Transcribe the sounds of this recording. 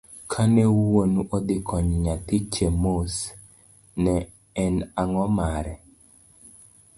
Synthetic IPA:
kʰanɛuwonuʔod̪ɪkʰɔɲɲat̪ɪt͡ʃemos | nɛː | naŋɔmaɾɛ

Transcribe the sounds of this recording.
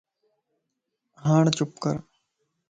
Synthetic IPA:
ɦaːɳt͡ʃʊpkə̰ɾ

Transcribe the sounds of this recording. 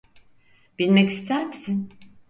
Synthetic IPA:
b̥ilʲmɛcist̪ʰæɾmisin

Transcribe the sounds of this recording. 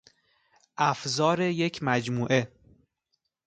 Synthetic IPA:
ʔæfzɒːɾeje̞cʰmæd͡ʒmuːʔe̞

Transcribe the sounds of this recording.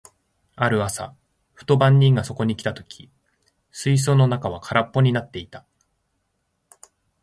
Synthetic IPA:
aɾɯ̟asa̰ | ɸɯ̥t̪o̞bãɲ̟ʲːĩŋɡaso̞ko̞ɲ̟ikʲi̥t̪at̪o̞̥kʲʰi̥ | sɨis̬o̞ːno̞nakaβ̞akʰaɾapːo̞ɲ̟inat̪ːe̞it̪ḁ

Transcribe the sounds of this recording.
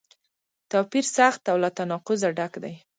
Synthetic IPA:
t̪apiɾsaxt̪awlat̪anɑqʊzaɖakd̪aj

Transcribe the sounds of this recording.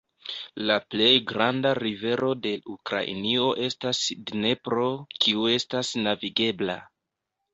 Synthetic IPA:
laple̞jɡɾandaɾive̞ɾʔo̞de̞lukɾa̰ʔḭnio̞ʔe̞stasdne̞pɾo̞kʰiue̞stasnaviɡe̞bla̰

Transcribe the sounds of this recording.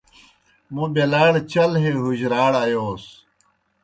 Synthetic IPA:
mũbelaːɽt͡ɕɐlɦeɦuʑɾaːɽajoːs

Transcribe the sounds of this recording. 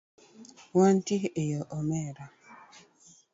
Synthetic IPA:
wan̩tiejɔʔɔmɛɾa

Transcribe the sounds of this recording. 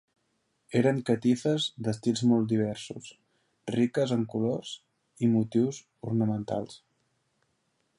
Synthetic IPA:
eɾəŋkət̪ifəzd̪əst̪ilˠzmɔlˠt̪d̪iβ̞ɛɾsṵs | rikəzəŋkuloz̥ | imut̪iwz | urnəmənt̪a̰lˠs

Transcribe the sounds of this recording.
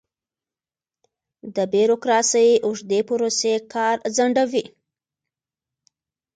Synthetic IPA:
d̪əbjiɾokɾɑsəjuʐd̪epʊɾosekʰɑɾzaɳɖawi

